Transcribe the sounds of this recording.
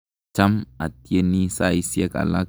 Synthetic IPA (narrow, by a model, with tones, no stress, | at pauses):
t͡ʃɐ˦mɐ˨t̪ːe˦nːi˦saː˦ɪ˦sɪ˦ɐ˦kʼɐ̰˨la˦